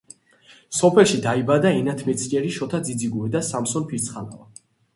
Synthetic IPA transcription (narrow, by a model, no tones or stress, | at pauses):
sɔpʰɛlˠʃid̪aibad̪aɛnat̪ʰmɛt̪sʰɛɾiʃɔt̪ʰad̪zid̪ziɡuɛd̪asamsɔnpʰiɾt̪sʰχala̰va